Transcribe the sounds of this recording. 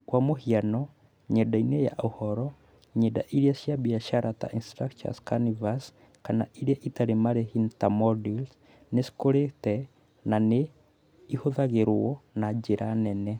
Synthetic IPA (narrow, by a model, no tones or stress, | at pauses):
kwamohianɔ | ɲɛdaineja̰ʔohɔɾɔ | ɲɛda̰ʔiɾiasjabiaʃaɾata̰ʔinstɾakta̰skanivas | kanaʔiɾiaʔitaɾemaɾehintamɔdils | neskoɾetɛ | nane | ihoðaɣeɾwɔnad͡ʒeɾanɛnɛ